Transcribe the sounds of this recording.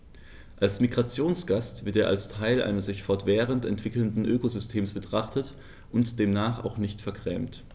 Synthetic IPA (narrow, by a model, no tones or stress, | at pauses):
ʔalsmiɡʁat͡sjoːnsɡ̥astv̥ɪɐteːɐʔalstʰaɪlʔa̰ɪnəsz̥ɪçfɔɐtv̥ɛːʁəntɛntv̥ɪkl̩ndn̩ʔøːkozʏstʰeːmsb̥ətʁ̥aχtət | ʔʊntd̥eːmnaːχa̰ʊxnɪçtfɛɐkʁ̥ɛ̰ːmt